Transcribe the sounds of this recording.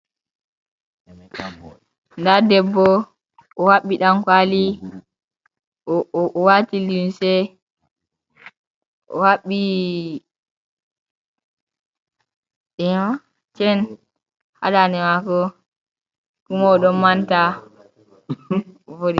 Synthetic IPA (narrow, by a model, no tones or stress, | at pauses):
ndadɛbːɔ | ʔɔwaɓːiɗankwali | ɔʔɔwatilimsɛ | ʔɔ̰waɓːi | ɗɛna | t͡ʃɛn | ha̰ɗanɛmakɔ | kumaːɗɔmmanta | fodi